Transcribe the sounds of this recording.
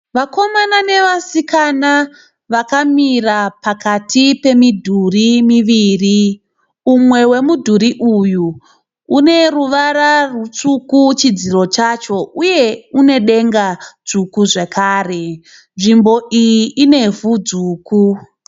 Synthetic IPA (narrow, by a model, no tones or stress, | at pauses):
ʋako̞manane̞ʋasikana | ʋakamirapakatipe̞midʱurimiʋiːri | umwe̞we̞mudʱuɾiʔuju | une̞ruʋaɾarut͡sukut͡ʃid͡ziro̞t͡ʃat͡ʃo̞uje̞une̞ɗe̞ŋɡat͡sukuʐekʰaːre̞ | nʐimbo̞ijiːne̞vud͡zuːku